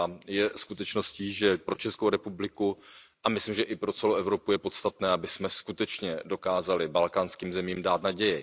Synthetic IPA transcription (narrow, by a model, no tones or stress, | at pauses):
jɛskut̪ɛt͡ʃno̞sciːʒɛpɾo̞t͡ʃɛskowɾɛpublɪkuʔamɪslimʒɛʔɪpɾo̞t͡sɛloʔɛvɾo̞pujɛpo̞t̪st̪at̪nɛːabɪsmɛskut̪ɛt͡ʃɲɛdo̞kaːzalɪbalkaːnskiːmzɛmiːmdaːt̪naɟɛjɪ